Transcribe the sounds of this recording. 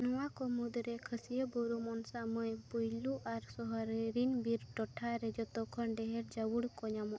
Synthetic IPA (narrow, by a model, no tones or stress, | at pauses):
nɔwakɔmud̪ɾɛkʰəsijəbɔɾumɔnsamɔjpujluʔaɾsɔɦɔɾeɾinbiɾʈɔʈʰaɾɛd͡ʒɔt̪ɔkʰɔnɖɛɦɛɾd͡ʒawuɽkɔɲamɔʔ